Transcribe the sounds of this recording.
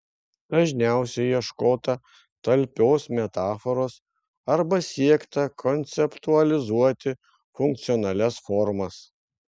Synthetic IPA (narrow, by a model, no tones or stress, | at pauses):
d̪̥ɐʒʲnʲæˑʊsʲɛɪjiɛʃkoːt̪ɐ | t̪ɐlʲpʲoːsmʲɛt̪ɑːfɔɾoːs | ɐɾbɐsʲiɛkt̪ɐkʰɔnʲt̪sʲɛpt̪uɐlʲɪzuɔt̪ʲɪ | fʊŋk̚t̪sʲɪjɔnɐlʲɛsfɔɾmɐs